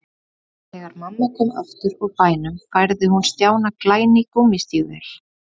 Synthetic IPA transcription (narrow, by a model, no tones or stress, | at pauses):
θɛːɣaɾmamːakʏma̰ft̪ʏɾɔɣpaːjnʏmfajɾðɪhunst̪jaːwnaklaːjnɪkɔːmist̪iːɣvɛ̰l̥